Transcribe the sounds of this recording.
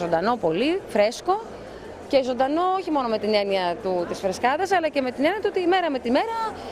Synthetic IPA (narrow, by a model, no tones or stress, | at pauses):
o̞nd̪ɐno̞po̞lifɾe̞sko̞ | ce̞zo̞nd̪ɐno̞oçimo̞no̞me̞t̪ine̞niɐt̪ut̪isfɾe̞skɐðɐsɐlɐce̞me̞t̪ine̞niɐt̪uot̪iːme̞ɾɐme̞t̪ime̞ɾɐ